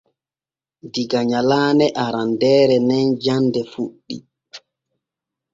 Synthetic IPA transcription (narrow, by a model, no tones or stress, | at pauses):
diɡaɲalaːnɛʔaɾandɛːɾɛnɛnd͡ʒandɛfuɗːḭ